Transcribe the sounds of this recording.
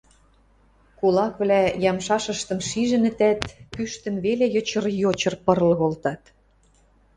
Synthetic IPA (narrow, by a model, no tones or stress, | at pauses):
kulɑkβlæjɑmʃɑʃə̆ʃt̪ə̆mʃiʒɘ̆nə̆t̪æt̪pyʃt̪ə̆nβelejot͡ɕə̆rjot͡ɕɤ̆rpɤ̆rlɤ̆ɣolt̪ɑt̪